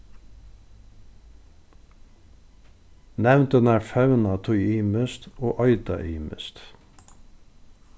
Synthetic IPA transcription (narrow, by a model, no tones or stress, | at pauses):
nɛʋnt̪ənæːɹfœʉnɑt̪ʰʊʏiːməst̪oːʔɔʏd̪ɑ̰ʔiːmə̰st̪